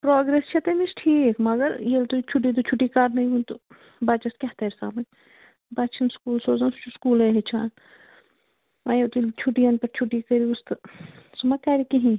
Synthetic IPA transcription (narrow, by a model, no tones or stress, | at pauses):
pɾoːɡɾest͡ʃʰɐt̪emisʈʰiːkmɐɡɐɾjelt̪ot͡ʃʰuʈ̬ːit̪̬ot͡ʃʰuʈːikaːɾnɐɦĩɦũnt̪o | baːt͡ʃɐskʲaɦt̪ɐɾsa̰ːmɐn | baːt͡ʃʰɐnskuːlsoːzat͡ʃuskuːleɦet͡ʃʰa̰ːn | ɐjet̪ult͡ʃʰuʈiɐnpɐɾt͡ʃʰuʈːikɐɾiust̪sɐmakaːɾikiɦĩ